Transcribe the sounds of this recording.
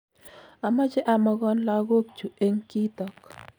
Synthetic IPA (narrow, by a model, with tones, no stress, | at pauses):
a˨ma˦d͡ʒɪ˦ʔa˨mɔ˦ɡɔ˦nla˦ɡo˦k̚t͡ʃu˨e˦ŋki˦t̪ɔ˦k